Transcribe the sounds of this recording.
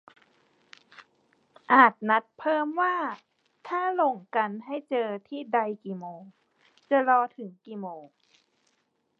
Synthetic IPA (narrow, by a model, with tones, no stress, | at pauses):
ʔaː˨˩t̪̚na˧˦˥t̪̚pʰɤː˥˩mwaː˥˩ | t̪ʰaː˥˩lo˧˩ŋka˧nɦa˥˩jt͡ɕɤː˧t̪ʰiː˥˩da˧jkiː˨˩moː˧ | t͡ɕa˧lɔː˧t̪ʰɯ˩˦ŋkiː˨˩moː˧